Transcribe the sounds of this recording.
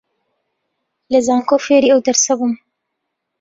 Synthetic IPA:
ləzɑːŋkofeɾiawd̪əɾsabum

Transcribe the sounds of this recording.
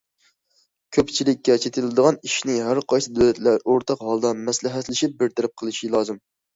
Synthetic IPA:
kʲʰøpt͡ʃʰilɪkʲːɛt͡ʃʰet̪ʰɪlɨd̪əʁɑniʃnɪɦæɾqʰɑjsɨd̪ølɛt̪læɾoɾt̪ʰɑqhɑlˠd̪ɑmɛslɪɦɛt̪lɪʃip̚bɪɾt̪ʰɛɾɛp̚qʰəlˠɨʃilˠɑːzɨm

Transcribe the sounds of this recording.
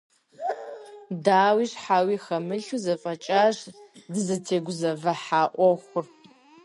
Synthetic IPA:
daːwiːʂħaːwiːxɐmɨɬuzɐfʼɐt͡ʃʼaːʂdɨzɐtʰeːɡʷʊzɐvɐħaːʔʷɔxʷʊr

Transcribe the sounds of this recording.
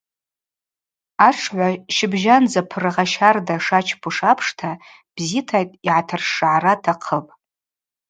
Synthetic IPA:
aʈ͡ʂʰʕʷaʃɪbʒand͡zapʰɨrɨʁaʃardaʂat͡ʃʰpʰuʂapʰʂtʰa | b̥zitʰajtʼiʕatʰɨrʂʕaɾatʰaqʰəpʼ

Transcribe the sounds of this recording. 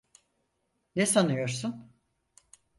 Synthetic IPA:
nesanɯjo̞ɾsun

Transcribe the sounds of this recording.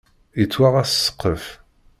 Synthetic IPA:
jət͡sːwaʁæssːə̥qʰːəf

